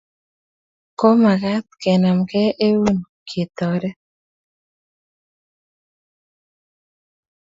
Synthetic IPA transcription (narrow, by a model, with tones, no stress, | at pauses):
ko˦ma˨ka˦t̪̚kɛ˨na˨mkɛ˦ʔe˦wu˦n | kʰe˨t̪ɔ˨ɾɛ˦